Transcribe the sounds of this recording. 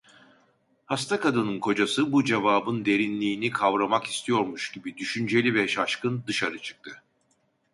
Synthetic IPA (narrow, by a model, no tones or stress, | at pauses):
hast̪ʰakʰad̪ɯnɯnkʰo̞d͡ʒasɯbud͡ʒevaːbɯnd̪e̞ɾinlʲiːnikʰavɾamaki̥st̪ʰijo̞ɾmuʃɟ̥ibid̪yʃynd͡ʒe̞lʲivɛʃaʃkɯnd̪ɯʃaɾɯt͡ʃʰɯ̥k̚t̪ʰɯ